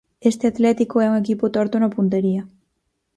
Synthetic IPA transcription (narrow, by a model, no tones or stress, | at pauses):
est̪eat̪let̪ikoeuŋekiput̪oɾt̪onopunt̪eɾia